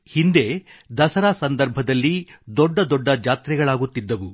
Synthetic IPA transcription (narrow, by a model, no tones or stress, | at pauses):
hind̪e̞d̪ɐsɐɾaːsɐnd̪ɐɾbʱɐd̪ɐlːid̪ɔɖːɐd̪ɔɖːɐd͡ʒaːt̪ɾɛɡɐɭaːɡut̪ːid̪ːɐʋu